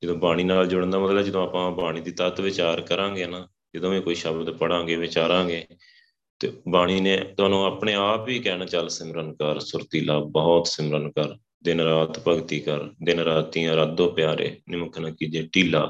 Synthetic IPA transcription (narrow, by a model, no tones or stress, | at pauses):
d͡ʒəd̪õːbaːɽ̃iːnaːld͡ʒʊɽə̃nd̪aːmət̪ləbɛd͡ʒəd̪õːaːpãːbaːɽ̃iːd̪iːt̪ət̪ʋɪt͡ʃaːɾkəɾãːŋɡeːnaː | d͡ʒəd̪õːʋẽːkoːiːʃəbld̪eːpəɽãːŋɡeːʋɪt͡ʃaːɾãːɡeː | t̪eːbaːɽ̃iːnẽːt̪ʊaːnũːaːpɳeːaːpʋiːkɛːnaːt͡ʃəlsɪmɾənkəɾsʊɾt̪iːlaːbɔɦɔt̪sɪmɾənkəɾ | d̪ɪnɾaːt̪pəɡt̪iːkəɾd̪ɪnɾaːt̪ĩːɾad̪õːpɪjaːɾḛːnɪməkʰnaːkiːd͡ʒeːʈiːlaː